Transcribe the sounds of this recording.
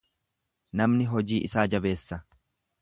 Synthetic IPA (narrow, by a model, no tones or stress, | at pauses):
nɐmnɪɦɔd͡ʒiːʔɪsaːd͡ʒɐbe̞ːsːɐ